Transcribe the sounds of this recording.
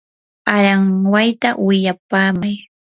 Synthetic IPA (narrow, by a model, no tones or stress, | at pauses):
aɾaŋwajt̪awɪʎapaːmaj